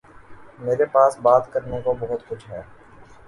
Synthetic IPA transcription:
meːɾepaːsbaːt̪kəɾnõkobɐɦʊt̪xʊt͡ʃʰɦɛː

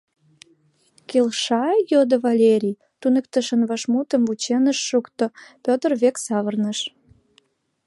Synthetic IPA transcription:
kelʃɑjod̪əvɑlʲeɾʲij | t̪unəkt̪əʃənβɑʃmut̪əmvut͡ɕenəʃːukt̪opʲøt̪ərβeksɑβərnəʃ

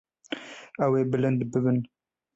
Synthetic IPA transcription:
ɐweːbɨlɨnd̪bɨβɨn

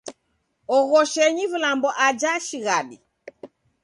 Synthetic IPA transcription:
ɔɣɔʃɛɲivulambɔʔad͡ʒaʃiɣaɗi

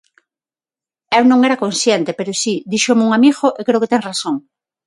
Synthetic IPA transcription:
ewnõŋeɾakonsjent̪epeɾosid̪iʃomeuŋamiɣoʔekɾeoket̪eŋrasoŋ

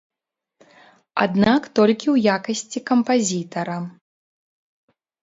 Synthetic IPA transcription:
a̰d̪nakt̪ɔlʲkʲiwjakɐsʲt͡sʲikɐmpazʲit̪ɐɾɐ

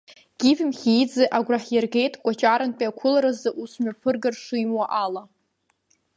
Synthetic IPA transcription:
ɡ̥ʲivʲɪmχʲijd͡zɨʔaɡʷraħjarɡe̞jtʼkʷʼat͡ʃʼaɾanpʼiakʷʰʊlaɾazaʔusmapʰɨrɡarʂujmwaʔala

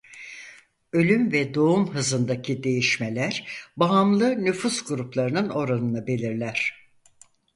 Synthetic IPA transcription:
ø̞lʲymvɛd̪o̞umɦɯzɯnd̪acʰid̪e̞jiʃmelʲæɾbaɦamlˠɯnyfusɡuɾuplˠaɾɯnɯno̞ɾanɯnabe̞lʲiɾlʲæɾ̝̥

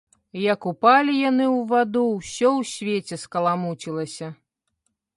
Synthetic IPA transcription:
jɐkupalʲijanɨwvad̪uwsʲɔwsʲvʲet͡sʲɛskɐlˠamut͡sʲilˠɐsʲɐ

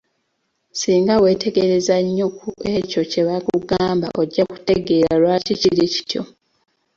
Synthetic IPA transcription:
siːŋɡawe̞ːte̞ɡe̞ɾe̞zaɲːo̞kue̞co̞ce̞βakuɡaːmba̰ʔo̞ɟːaku̥te̞ɡe̞ːɾalwaːciciɾici̥tʰjo̞̰

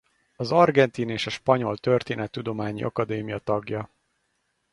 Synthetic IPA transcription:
ɒzɒrɡɛnt̪iːneːʃɒʃpɒɲo̞lt̪ø̞rt̪eːnɛt̪ːud̪o̞maːɲḭʔɒ̰kɒd̪eːmijɒt̪ɒɡjɒ

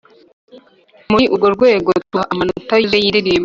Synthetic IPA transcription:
muiʔuɡoɾɡwe̞ːɡotuaʔamanutajizejiɾiɾim

